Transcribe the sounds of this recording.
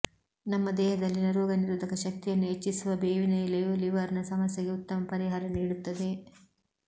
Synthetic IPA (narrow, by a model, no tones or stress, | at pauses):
nɐmːɐd̪ɛːɦɐd̪ɐlːinɐɾuːɡɐniɾud̪ʱɐkɐʃɐk̚t̪ijɐnːuɦet͡ʃːisuʋɐbeːʋinɐilɐjuliʋɐɾɐnɐsɐmɐsjɐɡe̞ut̪ːɐmɐpɐɾiɦaːɾɐniːɽut̪ːɐd̪e̞